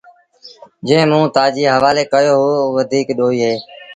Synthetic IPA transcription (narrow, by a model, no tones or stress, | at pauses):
d͡ʒẽːmũːt̪aːd͡ʒiːɦəʋaːleːkəjoːɦʊoːʋəd̪ʱiːkɗoːiːɦeː